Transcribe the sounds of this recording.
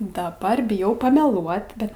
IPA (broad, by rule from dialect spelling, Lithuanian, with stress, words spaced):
dɐˈbɐr bʲɪˈjɛʊ pɐmʲɛˈlˠuɔt ˈbʲɛt